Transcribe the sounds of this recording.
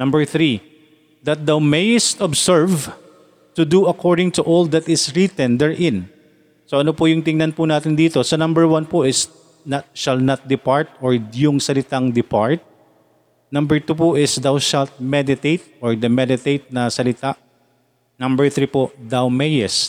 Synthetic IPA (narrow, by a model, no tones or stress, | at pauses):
nɐmbɛɹθɾi | d̪ɐt̪̚d̪awmejɪst̪ɔbsɛɹv | t̪ʊd̪uɐkʰɔɹd̪ɪŋt̪ʊʔɔld̪ɐt̪ɪsɹit̪ɛ̃nd̪ɛɹʔɪn | soʔɐnopʊjʊŋt̪ɪŋnɐnpʊnaːt̪ɪnd̪iːt̪osɐnɐ̃mbɛɹwanpʊʔɪs | nɐt̪̚ʃalt̪nɐt̪̚d̪ɪpaɹt̪̚oɹjʊŋsɐlɪt̪aŋd̪ɪpaɹt̪̚ | nɐ̃mbɛɹt̪uːpʊʔɪsd̪awʃalt̪̚mɛd̪ɪt̪ejt̪̚ɔɹd̪ɐmɛd̪ɪt̪ejt̪̚nɐsɐlɪt̪aʔ | nɐmbɛɹθɹipod̪awmɛjɛst̪̚